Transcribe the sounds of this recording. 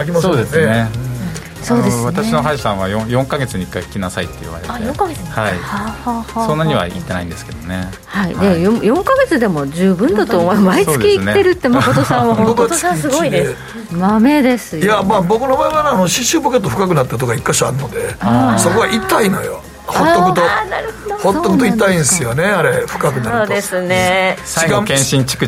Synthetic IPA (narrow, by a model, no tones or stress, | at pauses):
kʲimso̞ːd̪esne | so̞ːd̪esβant̪aɕino̞ɦaʑi̥sãβajõjõ̞ŋkaɡe̞t͡sɨɲikːakʰi̥kʲinasait̪ːe̞ḭβa̰ɾeejõŋkaɡehaihahasonːaɲiβa̰ḭt̪ːe̞naḭ̃d̪e̞sɨ̥ke̞d̪o̞ne̞ | haid̪ejojõ̞ŋkaɡe̞t͡sɨd̪e̞mo̞d͡ʑɨːbɯ̟̃nd̪at̪oːmmaisosːɨːd̪kʲiisnee̞ɾɯ̟t̪ːemakot̪osãɰ̃aɦõt̪asɨɡoid̪e | mame̞d̪e̞sɨjamaːbo̞kɯ̟no̞baeβaneanoɕĩɕɨːboket̪ːoɸɯ̟̥kak̬ɯ̟nat̪ːat̪̬okaikːaɕiaɾɯnod̪e̞so̞ko̞βaʔit̪ːaino̞̰jo̰ | hoːokɯt̪onaɾɯhod̪ohot̪ːokɯ̟t̪oit̪ːaĩsɨjo̞ne̞aɾeɸɯ̟̥kakɯnaɾoɯd̪esɨnesaiɡakẽɕĩɲt͡ɕi̥kɯ̟